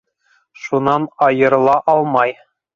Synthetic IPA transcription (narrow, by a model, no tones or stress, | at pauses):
ʃunɑnɑjɤ̆ɾɤ̆lˠɑʔɑlˠmɑj